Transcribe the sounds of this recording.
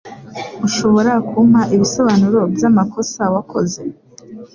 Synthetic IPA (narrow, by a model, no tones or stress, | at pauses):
uʃo̞βo̞ɾakʰum̥haʔiβiso̞βanuɾo̞bjamakʰo̞sawakʰo̞ze̞